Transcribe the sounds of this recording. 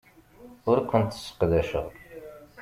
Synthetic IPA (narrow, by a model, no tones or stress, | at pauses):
ʊɾkʷʰːʊnt̪ːsə̥qəðæʃə̰ʁ